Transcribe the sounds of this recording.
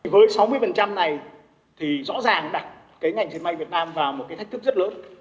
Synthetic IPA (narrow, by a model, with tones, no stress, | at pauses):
vəː˨˦jsa˨˦wmɨ˧əjfə˨˩nt͡ɕa˧mna˨˩j | t̪ʰi˨˩zɔ̰˧˥zaː˨˩ŋɗa˨˩t̚ | kaː˨˦jŋa˨˩jŋt͡ɕi˨˩ənɓa˧jvi˨˩ət̚naː˧mvaː˨˩wmo˨˩t̚kːa˨˦jt̪ʰa˦˥k̚t̪ʰk̚zə˦˥t̚ləː˨˦n